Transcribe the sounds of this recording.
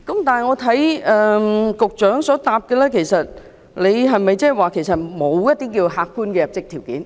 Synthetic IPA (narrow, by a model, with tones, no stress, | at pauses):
kʊ˨˦mt̪aː˨˩ŋɔː˨˧t̪ʰɐ˨˥jʔəː˨kʊ˨˩k̚t͡ɕœː˨˥ŋsɔ˨˥t̪aː˨˩p̚kɛː˧laː˧˥kʰe˨˩jsɐ˨t̚ | le˨˧jɦɐ˨˩jmɐ˨˩jt͡sɛː˥˨˩waː˨˩kʰe˨˩jsɐ˨˩t̚mo˨˧wjɐ˦˥d̪iː˦˥kiː˧wɦaː˨˩k̚kuː˧nkɛ˧ɐ˨˩p̚t͡ɕɪ˥k̚t̪ʰi˨˩wkḭː˨˥˦n